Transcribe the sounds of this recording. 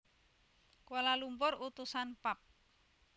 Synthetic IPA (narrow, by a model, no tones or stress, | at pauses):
kolalumpʊrut̪usanpap̚